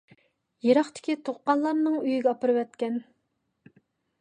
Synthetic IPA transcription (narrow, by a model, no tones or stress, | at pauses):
jeɾɑχt̪ʰɪ̥kʲit̪ʰoχːɑnlˠɑɾnɨŋyjiɡʲɛɑpɨɾɨwɛt̪kʲɛn